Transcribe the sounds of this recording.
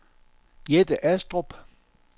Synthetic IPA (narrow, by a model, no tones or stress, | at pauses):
jedəʔæsd̥ʁob̥